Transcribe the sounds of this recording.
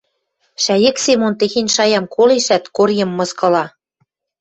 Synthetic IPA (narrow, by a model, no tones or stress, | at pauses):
ʃæjɘ̆ksemont̪exenʲʃɑjɑmkʰoleʃæt̪korjɤ̆mːɤ̆skɤ̆lɑ